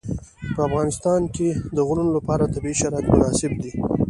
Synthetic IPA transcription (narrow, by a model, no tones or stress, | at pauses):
pəafɣɑnɪst̪ɑnked̪əɣʊnunolapɑɾat̪abiiʃaɾɑkmʊnɑsɪb̚d̪i